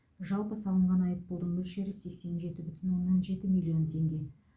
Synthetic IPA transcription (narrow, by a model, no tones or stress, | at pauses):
ʒɑlˠpəsɑlˠəɴʁɑnɑjəp̚bolˠd̪əɴmɵlʃe̞ɾɪse̞kse̞nʒe̞t̪ɪbʏt̪ʰʏnwo̞nːɑnʒe̞t̪ɪmilʲijo̞nt̪ʲʰe̞ŋɡʲe̞